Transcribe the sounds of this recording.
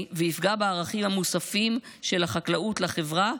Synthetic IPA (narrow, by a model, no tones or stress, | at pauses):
veifɡabeaːʁaχimhamusafim | ʃe̞lhaχaklautlaχevʁa